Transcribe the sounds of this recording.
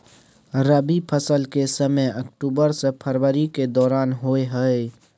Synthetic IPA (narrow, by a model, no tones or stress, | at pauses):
ɾəbipʰəsəlkesəməjəkʈuːbəɾsepʰəɾwəɾiked̪ɔːɾaːnɦoeɦəe